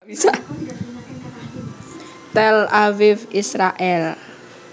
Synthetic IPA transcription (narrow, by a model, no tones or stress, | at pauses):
isa | t̪ɛlawɪfisɾaʔɛl